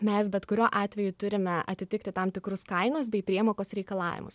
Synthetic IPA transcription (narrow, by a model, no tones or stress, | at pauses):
mʲɛsbʲɛt̪kʊɾʲoːʔɑːt̪ʲʋʲɛjʊt̪ʊɾʲɪmʲɛʔɐ̰t̪ʲɪt̪ʲɪkt̪ʲɪt̪ɑmt̪ʲɪkɾʊskɐɪnos̬bʲɛɪpʲɾʲiɛmoːkosɾʲɛɪkɐlˠɑ̰ːʋʲɪ̰mʊ̰s